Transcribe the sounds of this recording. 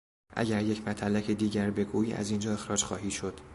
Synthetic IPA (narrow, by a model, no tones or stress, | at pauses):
ʔæ̰ɟæɾje̞cʰmæt̪ʰælːæcʰed̪iːɟæɾbe̞ɡuːiːæ̰ziːnd͡ʒɒːe̞xɾɒːd͡ʒxɒ̰ːɦiːʃo̞d̪̥